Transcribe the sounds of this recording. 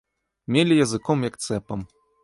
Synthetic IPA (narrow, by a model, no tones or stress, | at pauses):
mʲelʲijɐzɨkɔmjɐkt̪sɛpɐm